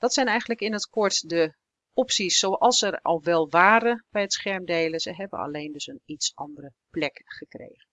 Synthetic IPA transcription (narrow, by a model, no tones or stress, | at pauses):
d̥ɑtsɛjnɛjχən̩ləkɪnətkɔɹtdə | ɔpsisːowʔɑlˠsɛrɑ̰lˠʋɛlˠʋaːɾəb̥ɛjətsχɛɹmdejləzəɦɛbə̰nɑ̰lejndɵsənitsʔɑndərəplɛkχəkrḛjχən